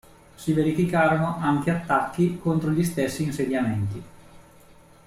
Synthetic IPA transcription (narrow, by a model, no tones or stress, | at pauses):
siveɾifikaːɾonoʔaŋkeat̪ːakːikont̪ɾoʎist̪esːiːnsed̪jament̪i